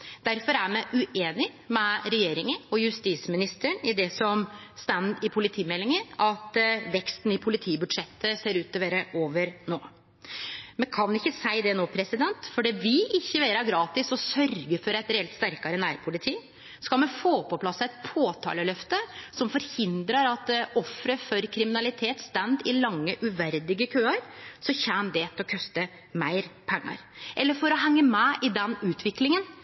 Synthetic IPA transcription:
d̪̥æɾfɔɾæɾmɛʔʉʔeːnɪ | mɛɾɛjeːɾɪŋənɔjʉst̪iːsmɪnɪst̪əɳɪd̪ɛsɔmst̪ænd̪ɪpʰʊlɪt̪ʰiːmɛlːɪŋəʔɑt̪ʋɛkst̪n̩ɪpʰʊlɪt̪ʰiːbʉd̪ʂɛt̪ːəseːɾʉːt̪ːɔʋeːɾəʔoːʋəɾnoː | mɛnkʰɑnɪçːəsæɪd̪ɛnoːpʰɾɛsɪd̪ɛnt̪fɔɖɛʋɪlʔɪçːəʋeːɾɑɡɾɑːt̪ɪsɔsœɾɡəfɔɾæɪt̪ɾɛɛlt̪st̪æɾkɑɾənæːɾpʰʊlɪt̪ʰiː | skɑlmɛnfoːpɔpʰlɑsːæɪt̪pʰoːt̪ʰɑ̰ːləlœft̪əsɔmfɔɾhɪnd̪ɾɑɾɑt̪ɔfɾəfɔɾkʰɾɪmɪnɑlɪt̪ʰeːt̪st̪ɛnd̪ɪlɑŋːəʔʉʋæɾd̪ɪɡəkʰøːɑɾsɔçæːnd̪ɛt̪ʰɛɔkʰœst̪ə | mæɪɾpʰɛŋːɑ̰ɾʔɛlːəɾfɔɾɔɦɛŋːəmɛʔɪd̪ɛnʉːt̪ʰʋɪklɪŋən

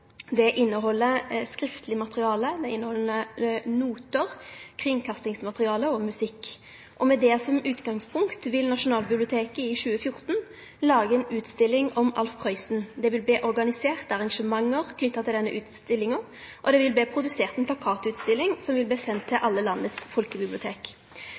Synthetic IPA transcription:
d̪ɛʔɪnːəɦɔlːəskʁɪft̪ʰəlɪmɑt̪ʁɪɑːləd̪ɛɪnːəhɔlnənuːt̪əʁkʰʁɪŋkʰɑst̪ɪŋsmɑt̪ʁɪɑːləɔmʉsɪkː | ʔɔmɛd̪ɛsɔmʉːt̪ɡɑŋspʰʊŋkt̪ʋɪlnɑʂʊnɑːlbɪblɪʊt̪ʰeːkəɪʃʉːəfjʊʁt̪n | lɑːɡəɛnʉːt̪st̪ɪlːɪŋɔmɑ̰lfpʰʁœʏsn̩d̪ɛʋɪlb̪eːʔɔʁɡɑnɪseːʁt̪əɑʁɑŋʂəmɑŋːəʁkʰnʏt̪ːɑt̪ʰɪld̪ɛnːəʔʉːt̪st̪ɪlːɪŋə | ʔɔd̪ɛʋɪlbeːpʰɾʊd̪ʉseːʁt̪ɛnpʰlɑkʰɑːt̪ʉːt̪st̪ɪlːɪŋsɔmʋɪlb̪iːsɛnt̪ʰːɪʔɑlːəlɑnːəsfɔlkəbɪblɪʊt̪ʰeːk

